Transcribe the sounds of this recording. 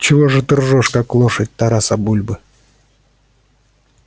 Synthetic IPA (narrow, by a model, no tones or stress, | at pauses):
t͡ɕɪvoʐɨt̪ɨrʐɔʂkaklˠoʂɐt̚ʲt̪aɾasabulʲbɨ